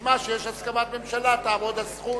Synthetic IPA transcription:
maʃejeʃhaskamat̪me̞mʃalat̪aːvod̪asχu

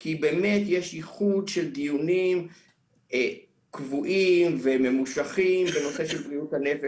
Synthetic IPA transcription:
kibeme̞t̪jeʃjiχudʃeld̪ijunim | e | kvuʔimveme̞muʃaχimbe̞no̞seʃelbʁiuthane̞fe

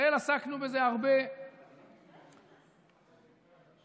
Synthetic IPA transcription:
elasaknube̞zeaʁbe

